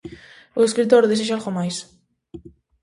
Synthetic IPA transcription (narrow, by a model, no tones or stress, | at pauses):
ʊeskɾit̪̬oɾðeseʃ̬alɣomajs